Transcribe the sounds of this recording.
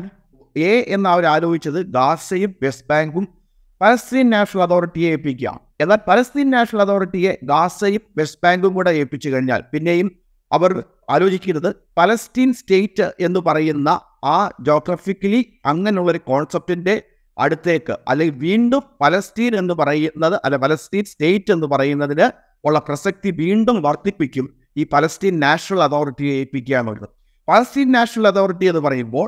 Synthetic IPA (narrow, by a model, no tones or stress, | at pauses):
eːʔenːɐɐʋɐɾaːɾo̞ːbikt͡ɕːɐðɨɡaːsɐjumʋe̞stbaːŋɡum | pɐlɐstiːnnaːʂnɐlɐt̪ʰo̞ːriʈːijeeːpːikʲːua̰ːmeðaːlpɐlɐstiːnnaːʂɐnɐlɐt̪ʰo̞ːriʈːije̞ɡaːsɐjumʋe̞s̚baːŋɡumkuːɽeeːpːit͡ɕːukɐɻiɲːa̰ːlpinːe̞jum | ɐ̰ʋɐr | aːɾo̞ːt͡ɕikʲːunːɐðɨ | pɐlɐstiːnste̞ːtːɨʔe̞nːɨpɐrɐjunːɐ | aːd͡ʑo̞ːɡraːfikːɐli | ɐŋːɐneuɭːɐoɾuko̞ːɳsɐp̚tinde̞ | ɐ̰ɽut̪ːe̞ːkːɨ̰ʔɐ̰lːɐŋɡiʋiːɳɖumpɐlɐstiːne̞nːupɐrɐjunːɐðɨʔɐlːepɐlɐstiːnste̞ːtːɨe̞nːɨpɐrɐjunːɐðinɨ | oɭːɐprɐsɐk̚t̪iʋiːɳɖumʋɐrt̪ːipːikʲːum | iːpɐlɐstiːnnaːʂɐnɐlɐt̪ʰo̞ːriʈːiepːikʲːaːɳkoɾṵnɐ | pɐlɐstiːnnaːʂɐnɐlɐt̪ʰo̞ːriʈːijenːupɐrɐjumbo̞ːɭ